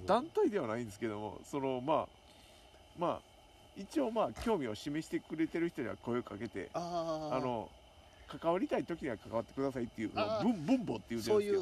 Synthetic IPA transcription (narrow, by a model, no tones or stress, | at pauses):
d̪ãnt̪aid̪e̞βanaĩnd̪esɨ̥ke̞d̪o̞mo̞̰so̞no̞maː | ma̰ː | it͡ɕio̞ːmaːkʲo̞ːmʲio̞ɕime̞ɕi̥t̪e̞kɯ̟ɾe̞t̪e̞ɾɯ̟çi̥t̪o̞ɲiβa̰ko̞eokake̞t̪e̞̰ano̞ | kakaβaɾʲit̪ait̪o̞kʲiɲ̟iβakakaβat̪ːe̞̥kɯ̟d̪asait̪ːe̞jɯ̟ːsonobɯ̟̃mbɯ̟̃mbo̞ːt̪ːe̞jiɯee